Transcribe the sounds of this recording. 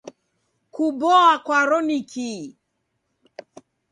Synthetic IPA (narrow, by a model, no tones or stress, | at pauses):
kubɔakwaɾɔnikʰi